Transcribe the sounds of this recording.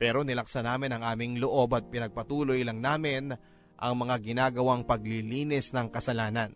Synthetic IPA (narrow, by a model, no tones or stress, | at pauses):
pɛːɾo̞nɪlɐksɐnaːmɪnɐŋʔaːmɪŋloʔo̞bɐt̪̚pɪnɐɡ̚pɐt̪uːlo̞jlɐŋnaːmɪn | ʔɐ̰ŋmɐŋaɡɪnaːɡɐwaŋpɐɡliliːnɛsnɐŋkɐsɐlaːnɐn